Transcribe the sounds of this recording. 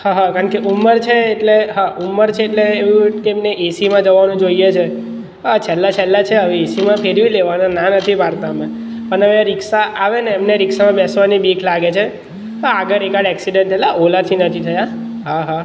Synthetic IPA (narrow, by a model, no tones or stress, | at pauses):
haɦakaɳkeʔumːəɾt͡ʃʰeːʈleɦaʔumːəɾt͡ʃʰeːʈleːʋũkeːmneʔesimãd͡ʒəʋːanũd͡ʒoijet͡ʃʰe | ɦat͡ʃʰɛlːat͡ʃʰɛlːat͡ʃʰeəʋeesimãpʰeɾʋileʋanãnãnət̪ʰiʋaɾt̪aəme | pəɳəʋẽaɾɪksaʔaʋeneːmneɾɪksamãbɛsʋanibikʰlaɡet͡ʃʰe | ɦaaɡəɾekaɽɛksiɖeɳʈ̪ʰɛlaʔolat̪ʰinət̪ʰit̪ʰəja | ɦaɦa